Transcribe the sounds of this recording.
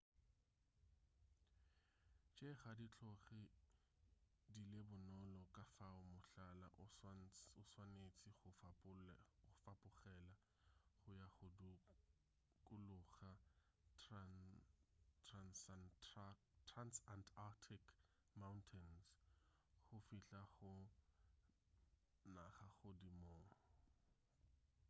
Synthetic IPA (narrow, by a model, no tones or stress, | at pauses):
t͡ʃʼeχadit͡ɬʰʼɔχɪ | dilebʊnɔlɔkʼafaʊmʊɬala̰ʔ | ʊswanet͡sʼiχʊfpʊfapʼʊχɛla | χʊjaχʊdu | kʼʊlʊχa | transn | tʰransantʰatʰik | mawntʰɛns | χʊfiɬaχʊ | naχaχʊdimoːrɔ